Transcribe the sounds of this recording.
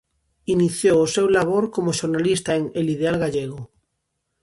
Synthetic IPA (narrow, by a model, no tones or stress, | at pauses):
iniθjoosewlaβoɾkomoʃoɾnalist̪aeŋelið̞ealɣaʎeɣ̞o